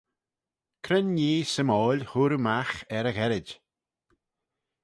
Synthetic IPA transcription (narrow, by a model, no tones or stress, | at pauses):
kʰɾənjiːsəmɔːlʲhuɾmaxɛɾəɣɛɾɪd